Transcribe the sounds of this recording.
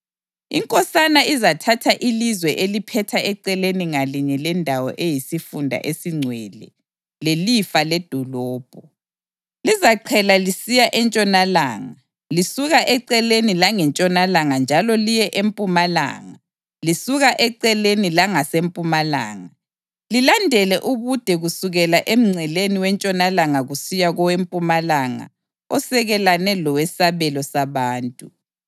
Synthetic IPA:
ḭŋkʼɔsanaizatʰatʰaʔilizwɛʔelipʰɛtʰaʔɛǀɛleniŋaliɲɛlɛndʱawɔ̰ʔejisifundʱa̰ʔesiŋ͡ǀʱwɛlɛ̰ | lelifalɛd̥ʱɔlɔːb̥ʱɔ | lizaǀʰɛlalisijaʔɛnt͡ʃʼɔnala̰ːŋa | lisuɣaʔɛǀɛlenilaŋɛnt͡ʃʼɔnalaŋand͡ʒʱalɔlijɛʔempʼumala̰ːŋa | lisuɣaʔɛǀɛlenilaŋasempʼumala̰ːŋa | lilandʱɛlɛʔuɣud̥ʱɛɣusuɣɛlaʔem̩ŋ͡ǀʱɛleniwɛnt͡ʃʼɔnalaŋaɣusijaɣɔwempʼumalaŋa̰ | ɔsɛɣɛlanɛlɔwɛsaβɛlɔsaβaːntʼu

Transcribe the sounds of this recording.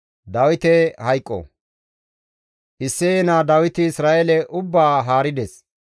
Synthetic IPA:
d̪ɐwɪt̪ɛhɐjkʼːɔ̰ | ʔɪsːɛɛnaːd̪ɐwɪt̪ɪːsɾaːʔɛlɛʔʊbːaːɦaːɾɪd̪ɛs

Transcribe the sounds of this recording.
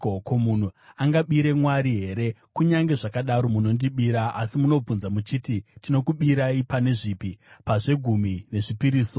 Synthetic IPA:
okomun̤uaŋɡaɓiɾe̞mwaɾiɦe̞ɾe̞kuɲaŋɡe̞ʐakaɗaɾo̞muno̞ndiɓiɾaʔasimuno̞b͡vunzamut͡ʃititino̞kuɓiɾaipane̞ʐipipaʐe̞ɡʱumine̞ʐipiɾiːso̞

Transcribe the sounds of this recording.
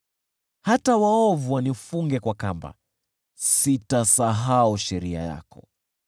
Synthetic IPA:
hatawaɔvuwanifuŋɡɛkwakamba̰ | sitasaɦauʃɛɾia̰ja̰kɔ

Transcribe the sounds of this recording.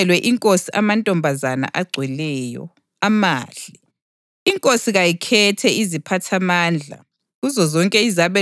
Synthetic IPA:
ɛlwɛʔiŋkʼosiʔamantʼɔmbʱazana̰ʔaɡ͡ǀʱwɛlɛːjɔ̰ | amaːɮʱi | iŋkʼosiɣajikʰɛtʰɛizipʰatʰamaːnd͡ɮʱa̰ | ɣuzɔzɔŋkʼɛizaβɛ

